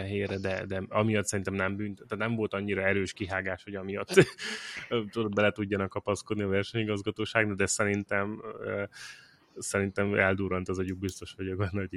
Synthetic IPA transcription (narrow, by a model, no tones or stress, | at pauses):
ɛɦeːrɛd̪ɛd̪ɛɒmijɒt̪sɛɾint̪ɛmnɛmbyːnt̪ɛt̪ːaːt̪nɛɱvo̞lt̪ɒɲːiɾɒɛɾøːʃkiɦaːɡaːʃho̞ɟɒmijɒt̪ː | t̪ud̪od̪̚bɛlɛt̪uɟːɒnɒkːɒpɒskod̪niɒvɛrʃɛɲiɡɒzɡɒt̪oːʃaːɡnɒd̪ɛsɛɾint̪ɛm | sɛɾint̪ɛmɛld̪uːɾɒnt̪ɒzɒɟuɡ̚bist̪o̞ʃhoɟoɡɛnːo